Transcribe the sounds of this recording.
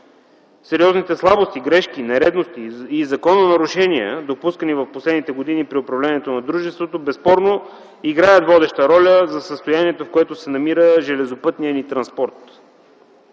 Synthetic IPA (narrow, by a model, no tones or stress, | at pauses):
sɛɾiɔznit̪ɛslˠabost̪iɡɾɛʃk̟inɛɾɛd̪nost̪iːzɐkɔnənɐɾʊʃɛniə̰d̪opuskənivɐfposlɛd̪nit̪ɛɡod̪inipɾiʊpɾɐvlʲɛniɛt̪onɐd̪ɾuʒɛst̪vot̪obɛspɔɾno | iɡɾajət̪vɔd̪ɛʃt̪əɾɔlʲəzɐsəst̪ojaniɛt̪ofkoɛt̪osɛnɐmiɾəʒɛlɛzopɤt̪nijənit̪ɾɐnspɔɾt̪